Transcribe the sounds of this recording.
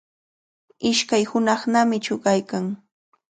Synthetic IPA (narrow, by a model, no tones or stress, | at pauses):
ɪʃkajhʊnɑχnamɪt͡ʃʊɢajkaŋ